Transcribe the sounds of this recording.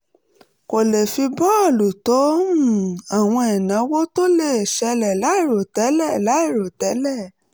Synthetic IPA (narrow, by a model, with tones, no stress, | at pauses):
ko˨le˨fi˧bɔ˦a˦˨lu˨tɔ˨˦ũ˦˨a˨w̃ɔ̃˧ɛ˨nã˨˦wo˦to˦le˦˨e˨ʃɛ˧lɛ˨la˨˦i˦˨ɾo˨tɛ˨˦lɛ˦˨la˨˦i˦˨ɾo˨tɛ˨˦lɛ˦˨